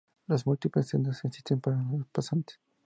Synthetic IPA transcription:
lazmult̪iplest̪end̪asesit̪empaɾaapasant̪e̥

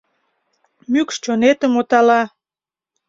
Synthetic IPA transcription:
mykʃt͡ɕonet̪əmot̪ɑlɑ

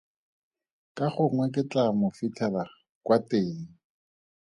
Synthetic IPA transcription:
kʼaχʊŋwɛkʼɪt͡ɬʼamʊfitʰɛla | kwateːŋ̩

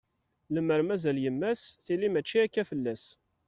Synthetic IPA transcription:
ləmːəɾmæzæljəmːæsθilimæt͡ʃːiækːæfəlːæs

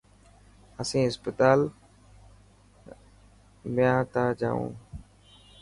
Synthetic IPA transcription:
əsĩːɦɪspət̪aːl | mɪjãːt̪aːd͡ʒa̰ːṵ̃ː

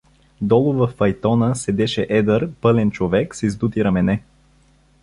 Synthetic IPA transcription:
d̪ɔlˠʊvɐfːɐjt̪ɔnəsɛd̪ɛʃɛʔɛd̪əɾpɤlɛnt͡ʃovɛksizd̪ut̪iɾɐmɛnɛ

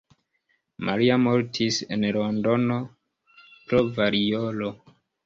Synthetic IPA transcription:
ma̰ɾiamoɾtʰisḛnɾondono | pɾovaɾiolo

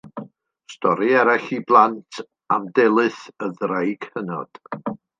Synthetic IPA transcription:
stɔɾiɛɾaɬiblˠantʰ | amdɛlˠɨθəðrajɡ̥hənɔ̰d̥

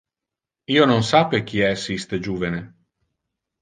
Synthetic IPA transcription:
iononsapek̟iɛsist̪ed͡ʒuːvene

